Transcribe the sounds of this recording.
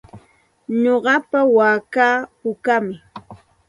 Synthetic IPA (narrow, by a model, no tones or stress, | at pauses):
ɲoɢɑpawaːkaːpʊkamɪ